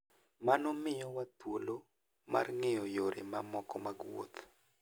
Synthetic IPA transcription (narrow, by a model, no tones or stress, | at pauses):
manomɪjɔwat̪wolo | ma̰rŋejɔjoɾḛmamɔkɔmaɡwo̰t̪